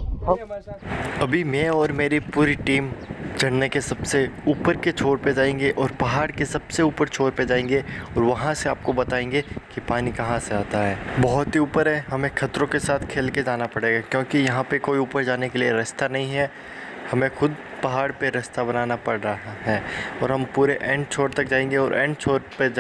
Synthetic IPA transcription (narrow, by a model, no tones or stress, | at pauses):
ɦɐ | ɐbʱimɛ̃ɔːɾmeːɾipuːɾiʈiːmd͡ʒɐɽnekesɐbseuːpəɾket͡ʃʰoːɾped͡ʒaːẽːŋɡeʔɔːɾpɐɦaːɽkesɐbseuːpəɾt͡ʃʰoːɾped͡ʒaːẽːŋɡeɔːɾʋɐɦãseaːp̚kobɐt̪aːẽːŋɡekipaːnikɐɦãseaːt̪aɦɛːbɔɦʊt̪ɦiuːpəɾɦɛːɦɐmẽkʰɐt̪ɾõkesaːt̪ʰkʰeːlked͡ʒaːnapɐɽeːɡakjõːkijɐɦãpekoːiuːpəɾd͡ʒaːnekelieɾɐst̪anɐɦĩɦɛ | hɐmẽxʊd̪̚ | pɐɦaːɽpeɾɐst̪abɐnaːnapɐɽɾɐɦaɦɛːɔːɾɦɐmpuːɾeʔɛ̃ːɳɖ̚t͡ʃʰoːɾt̪ɐk̚d͡ʒaːẽːŋɡeɔːɾʔɛ̰̃ːɳɖ̚t͡ʃʰoːɾped͡ʒ